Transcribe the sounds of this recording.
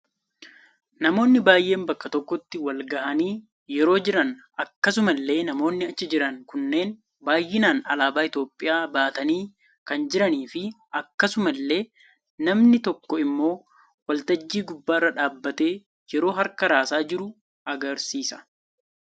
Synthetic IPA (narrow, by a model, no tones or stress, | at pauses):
nɐmo̞ːnːɪbaːjʔe̞ːmbɐkːɐt̪ɔkːɔt̪ːɪwɐlɡɐʔɐniː | jɛɾo̞ːd͡ʒɪɾɐn | ɐkːɐsʊmɐlːe̞ːnɐmo̞ːnːɪɐt͡ʃːɪd͡ʒɪɾɐŋkʊnːe̞ːn | baːjːɪnaːnɐ̰laːbaːɪt̪o̞ːpʼːɪjaːbaːt̪ɐniː | kɐnd͡ʒɪɾɐniːfɪ | ɐkːɐsʊmɐlːe̞ː | nɐmnɪt̪ɔkːɔɪmːo̞ː | wɐlt̪ɐd͡ʒːiːɡʊbːaːrːɐᶑaːbːɐt̪e̞ː | jɛɾo̞ːɦɐɾkɐɾaːsaːd͡ʒɪɾʊ | ʔɐɡɐɾsiːsɐ̥